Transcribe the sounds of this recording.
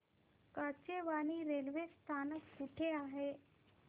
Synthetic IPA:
kat͡ɕeʋañiɾelʋest̪ʰankuʈʰeaɦe

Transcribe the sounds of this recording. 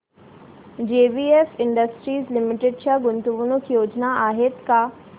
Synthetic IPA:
d͡ʒeːbiːefɪ̃ɳɖəsʈɾiːzlɪmɪʈeɖʃaɡʊnt̪uʋunukjoːd͡ʒnaaːɦɪt̪ka

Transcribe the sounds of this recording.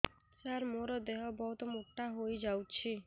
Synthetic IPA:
saɾmoɾɔd̪eɦɔbɔɦut̪ɔmoʈːaɦojd͡ʒawt͡ɕʰi

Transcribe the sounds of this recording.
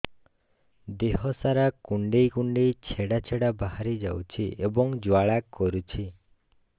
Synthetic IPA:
d̪eɦɔsaɾakuɳɖejkuɳɖejt͡ʃʰeɽat͡ʃʰeɽabahaɾid͡ʒa̰wt͡ʃʰiʔebɔŋd͡ʒwaɭakːɔɾut͡ʃʰi

